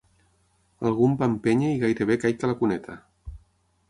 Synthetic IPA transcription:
alˠɣ̞umbampeɲeiɣajɾeβekajkalakunɛt̪ʰa

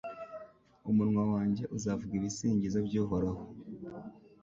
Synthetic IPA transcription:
umuɾŋwawaːɲɟe̞ʔuzavuɡiːɾisiːɲɟizabɟuːɦoɾaho

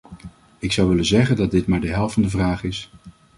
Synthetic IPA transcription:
ɪksʌwʋɪlənzɛχəndɑt̚dɪtmaːɹdəɦɛlˠfɑndəvraːχɪs

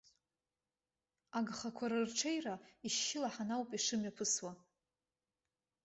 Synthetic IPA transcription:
aɡχakʷʰaɾɨrʈ͡ʂʰejraiʃːɪlaħanawpʼiʂɨmjapʰɨswa

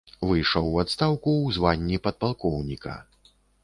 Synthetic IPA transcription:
vɨjʂɐwːat̪st̪awkuwzvanʲːipɐd̪̚palˠkɔwnʲikɐ̰

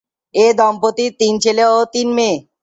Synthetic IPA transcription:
ed̪ɔmpot̪it̪int͡ɕʰeleot̪inme

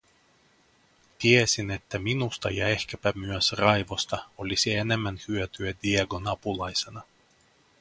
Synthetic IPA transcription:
t̪iesine̞t̪ːæminust̪ɑjɑe̞hkæpæmyøsrɑjʋo̞st̪ɑo̞lʲisie̞ne̞mːænhyøt̪yæd̪ieɡo̞nɑpulɑjsenɑ

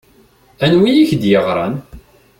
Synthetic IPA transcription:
ænwijiçd̪jəʁɾˤɑn

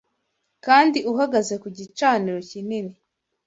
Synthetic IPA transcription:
kaːndiuɦaɡaze̞kuɟit͡ʃaːniɾo̞cinini

